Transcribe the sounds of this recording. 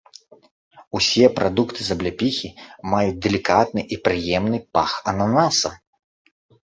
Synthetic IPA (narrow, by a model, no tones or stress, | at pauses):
usʲɛpɾʔad̪ukt̪ʰɨzɐblʲapʲixʲimajut͡sʲd̪ɛlʲikat̪̚nɨʔipɾɨjɛmnɨpaxɐnanasɐ